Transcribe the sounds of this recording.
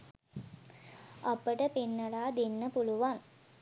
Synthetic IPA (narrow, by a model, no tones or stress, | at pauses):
ɐpəʈəpinːɐlaːd̪enːəpuluʋaŋ